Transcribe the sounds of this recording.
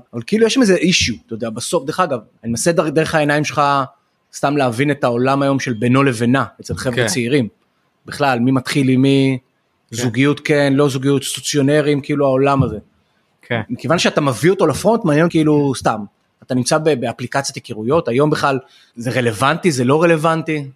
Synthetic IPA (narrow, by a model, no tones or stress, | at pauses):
avalkeilujeʃlamezeʔiʃut̪ajod̪eabaso̞fdeχaɡavanimasedd̪eʁeχae̞naimʃelχa | st̪amleavine̞t̪ao̞lamajo̞mʃe̞lbeno̞le̞ve̞naet͡selχevet͡seiʁim | biχlalmimat̪χilimi | zuɡijut̪kenlo̞zuɡijut̪st̪ut͡sjo̞ne̞ʁimkiiluao̞lamaze̞ | kmikevanʃeat̪amavio̞t̪o̞lafʁo̞nt̪maːnjenkeilust̪am | at̪animt͡sabebeaplikat͡sjat̪ekiʁujo̞t̪ajo̞mbeχlal | zeʁe̞le̞vantizelo̞ʁe̞le̞vant̪i